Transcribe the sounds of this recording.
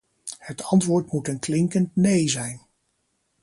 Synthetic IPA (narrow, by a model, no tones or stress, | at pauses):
hətɑntʋʊːɹtmutənklɪŋkəntnejzɛjn